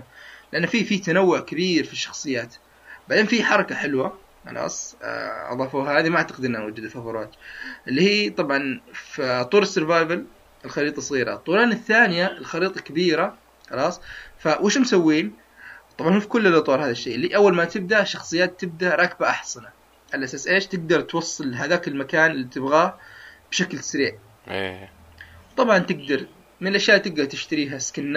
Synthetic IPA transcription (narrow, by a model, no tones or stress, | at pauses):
lɪʔanːfifit̪anawːʊʕkabiːɾfiʃːɑ̥xsˤɨjːaːt̪ | baʕd̪eːnfiħɑɾˤɑkaħɪlwa | xɑ̰lʔɑ̰ːsˤʔɑ̰ðˤɑːfuːɦhaːðimaʔaʕt̪aqɪd̪ʔɪnːʔanwad͡ʒːɪd̪afhafɑɾˤɑːd͡ʒʔɪlːiːhiːt̪ˤɑbʕɑnfit̪ˤːuːɾɑsːʊɾvaːjbal | ɪlxɑɾiːt̪ˤɑsˤɣiːɾa̰t̪ˤːuːɾɑːnɪθːaːnɪjaɪlxɑɾiːt̪ˤɑkabiːɾa | xɑlɑːsˤfawɪʃmsawːiːn | t̪ˤɑbʕɑnhuːfikʊlːɪlʔɑt̪ˤwɑːɾˤhaːðaʃːeːʔliːʔawːalmat̪ɪb̚d̪aʔʃɑxsˤɨjːaːt̪ːɪb̚d̪aʔɾˤɑːk̚baʔɑħsana | ʕalaʔasaːsʔeːʃt̪ɪɡd̪ɑɾˤt̪wɑsˤːɨlɦaðaːkɪlmakaːnɪlːiːt̪ɪbɣaːhb̥ʃaklsaɾiːʕ | ḛ | t̪ˤɑbʕɑnt̪ɪɡ̚d̪ɑɾˤ | mɪnɪlʔaʃjaːʔt̪ɪɡ̚d̪ɑɾˤt̪ɪʃt̪aɾiːɦaskanː